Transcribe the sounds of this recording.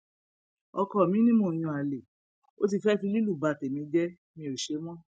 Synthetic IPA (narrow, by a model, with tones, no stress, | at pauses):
ɔ˧kɔ˧˨mĩ˨˦nĩ˦mõ˦˨j̃ũ˧˨a˨le˨ | o̰˦t̬i˧fɛ˦fĩ˧˦li˦lu˦˨ba˧˨te˨mĩ˧˦d͡ʒɛ˦ | mĩ˧o˨ʃe˧˦mɔ̃˦